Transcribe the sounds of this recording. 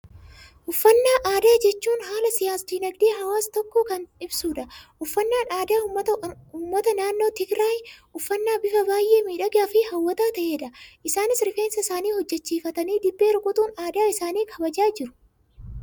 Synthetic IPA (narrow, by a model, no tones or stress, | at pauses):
ʔʊfːɐnːaːʔaːd̪aːd͡ʒɛt͡ʃːuːnhaːlɐsɪjaːsd̪iːnɐɡd̪eːɦɐwaːst̪ɔkːoːkɐnɪbsuːᶑɐʔʊfːɐnːaːnaːd̪aːɐuːmːɐt̪ɐnaːnːo̞ːt̪ɪɡɾaːjʔʊfːɐnːaːbɪfɐbaːjʔeːmiːᶑɐɡaːfɪhɐwːɐt̪aːt̪ɐʔeːᶑɐʔɪsaːnɪsɾɪfe̞ːnsɐsaːniːhɔd͡ʒːɛt͡ʃːiːfɐt̪ɐniːd̪ɪbːe̞ːɾʊkʼʊt̪ʼuːnaːd̪aːɪsaːniːkʰɐbɐd͡ʒaːd͡ʒɪɾʊ̥